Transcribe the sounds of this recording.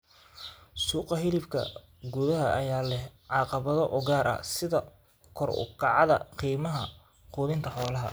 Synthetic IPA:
suːqɑɦɪlɪfkʰɐ̰ | ɡuðɐɦɐʔɐjaːlɛhʕɑːqɑβɐðɔʔɔɡaːɾʔɐ̰sɪðɐ | kʰɔrʊ̰kʰɑʕɑðɐ̰qiːmɐɦɐ | quːðɪnt̪ʰɐħɔːlɐɦɐ̰

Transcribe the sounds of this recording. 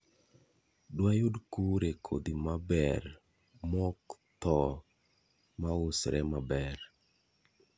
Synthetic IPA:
dwajʊdkuɾekʰo̰d̪imabɛr | mɔkt̪ɔ | maʊsɾɛ̰mabɛr

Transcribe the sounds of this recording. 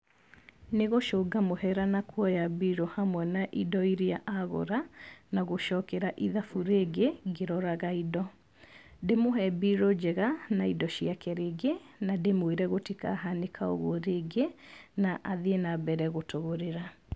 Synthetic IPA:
neɣoʃoɡamohɛɾanakwɔjabiɾohamwɛnaʔidɔiɾiaʔaɣo̰ɾanaɣoʃɔkɛɾaʔiðafuɾeːɡeɡeɾɔɾaɣaidɔ | demoɦɛbiɾod͡ʑɛɣanaidɔɕiakɛɾeɡe | nademweɾɛɣotika̰ɦanekʰao̰ɣwɔɾeɡenaʔaðeenabɛɾɛɣotoɣoɾeɾa

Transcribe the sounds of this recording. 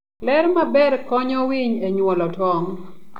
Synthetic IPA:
lɛɾmabɛɾkɔɲɔwiɲeɲwɔlɔtwɔŋ

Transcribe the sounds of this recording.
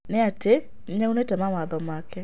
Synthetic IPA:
neate | ɲaunetɛmawaðɔmakɛ

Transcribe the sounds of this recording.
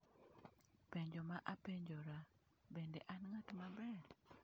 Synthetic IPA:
peɲd͡ʒomaʔapeɲd͡ʒoɾa | bendeʔanŋatmabɛr

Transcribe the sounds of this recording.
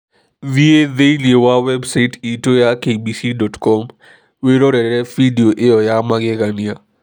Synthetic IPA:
vieðeiliewawɛbsaɪtitojakebisidɔtkɔm | weɾoɾɛɾɛfidioʔeɔjamaɡɪɣania

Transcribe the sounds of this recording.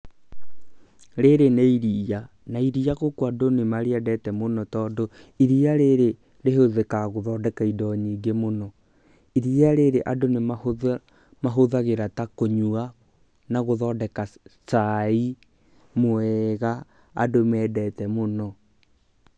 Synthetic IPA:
ɾeɾeneiɾia | naiɾiaɣokwadonemaɾeɛdɛtɛmonɔtɔːdo | iɾiaɾeɾe | ɾeɦoðekaɣoðɔːdɛkaidɔɲiːɡemonɔ | iɾiaɾeɾeʔadonem | maɦoðaɣeɾatakoɲua | naɣoðɔːdɛkasai | moɛɣa | a̰domɛdɛtɛmonɔ

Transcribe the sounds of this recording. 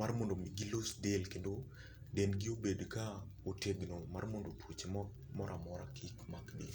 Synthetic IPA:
armondomiɡilosdelkendo | denɡɪobedka | oteɡnomarmondotʰwot͡ʃe | mɔɾʔamɔɾakʰɪkmakdi

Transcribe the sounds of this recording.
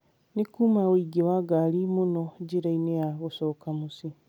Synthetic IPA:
nikuːmawiːɡewaɡalimunoɟiɾainejaɣusoːkamusi

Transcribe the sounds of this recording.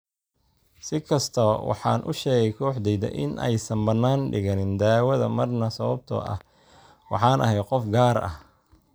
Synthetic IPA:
sɪkʰɐst̪ʰɐwɑ̰ħɑ̰ːnʔʊʃɛːɣɛjkʰɔːħd̪ɛjd̪ɐ̰ʔɪ̰nɛ̰jsɐmbɐnːaːnɖɪɣɐnɪnd̪aːwɐðɐmɐrnɐsɐβɐb̚t̪ʰɔ̰ʔɐ̰h | wɑ̰ħɑːnʔɐ̰ɦɛjqɔfɡaːɾɐ̰h

